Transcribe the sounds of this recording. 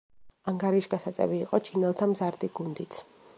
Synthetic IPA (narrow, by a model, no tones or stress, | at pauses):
aŋɡaɾiʃɡasat̪sʼɛ̰viːqʼɔt͡ʃʰinɛlˠt̪ʰamzaɾd̪iɡund̪it̪sʰ